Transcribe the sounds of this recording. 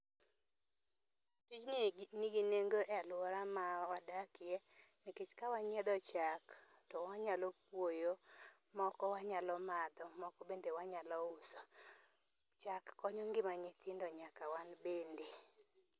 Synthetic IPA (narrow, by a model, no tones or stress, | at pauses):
tit͡ʃnniɡineŋɡoʔɛalwɔɾamawadakɪɛnɪket͡ʃkawaɲɛd̪ɔt͡ʃak | tɔwaɲalopwojo | mɔkɔwaɲalɔmad̪ɔmɔkɔbendewaɲalɔʊsɔ | t͡ʃakːɔɲɔŋɡɪmaɲet̪ʰɪndɔɲakawanbende